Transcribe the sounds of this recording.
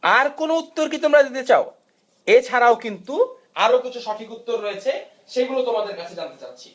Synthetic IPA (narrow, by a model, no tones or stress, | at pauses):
aɾkonout̪ːoɾkit̪omɾad̪it̪et͡ɕao | et͡ɕʰaɾaokint̪u | aɾokit͡ɕʰuʃaʈʰikut̪ːoɾːoet͡ɕʰe | ʃejɡulet̪omad̪eɾkat͡ɕʰed͡ʑant̪et͡ɕatːɕʰi̥